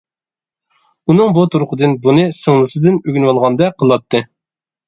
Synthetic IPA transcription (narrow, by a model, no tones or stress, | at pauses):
unɨŋbut̪ʰuɾqʊd̪ɨnbunɨsɨŋlˠɨsɨd̪ɨnøɡʲynwɑlˠʁɑnd̪ɛqʰəlˠwɑt̪ʰːɨ